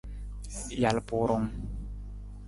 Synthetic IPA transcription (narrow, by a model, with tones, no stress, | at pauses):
ja˨lpu˨ɾo˧ŋ